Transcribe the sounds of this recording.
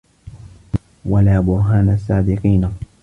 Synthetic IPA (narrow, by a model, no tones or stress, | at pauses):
walaːbʊɾɦaːnasːaːd̪ɪqiːna